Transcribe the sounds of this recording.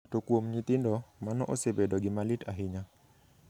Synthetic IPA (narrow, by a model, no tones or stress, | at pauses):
tokwomɲit̪ɪndɔmanɔ̰ʔosebedɔɡɪmalɪtaɦɪɲa